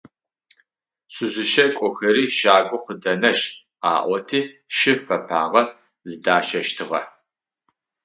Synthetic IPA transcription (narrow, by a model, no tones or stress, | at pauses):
sʷɨzʷɨʃɐkʷʼɔxɐɾiːʃaːɡʷʊqədɐnɐʃ | a̰ːʔʷɔtʰiːʃɪfɐpʰa̰ːʁɐ | zɨdaːʃɐʃtʰɨʁɐ̰